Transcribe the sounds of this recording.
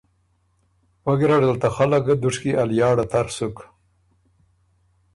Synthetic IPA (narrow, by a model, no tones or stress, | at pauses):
waɡiɾaɖ̪əlt̪axalaɡad̪uʂkiʔaljɑːɽat̪ʰaɾsuk